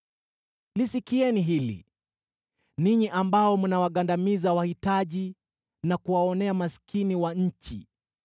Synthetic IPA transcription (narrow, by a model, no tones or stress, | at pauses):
lisikiɛniɦilḭ | niɲiʔambaɔmunawaɠandamizawahitaʄi | nakuwaɔnɛamaskiniwaɲ̩t͡ʃḭ